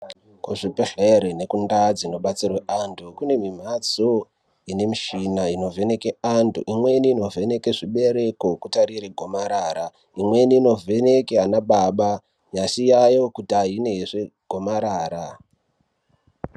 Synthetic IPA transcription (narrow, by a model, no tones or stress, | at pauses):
kuʐipeɬeɾenekundad͡zino̞ɓat͡sirweʔandʰukune̞mim̤at͡so | ine̞miʃinaino̞vʱene̞keandʰṵʔimwe̞niːno̞vʱe̞ne̞keʐiɓe̞ɾe̞ko̞kutaɾiɾeɡʱo̞maɾaːɾa | imwe̞niːno̞venekeanaɓaɓa | jaʃijajo̞kutiaɦine̞ɦeʂeɡʱo̞maɾaːɾa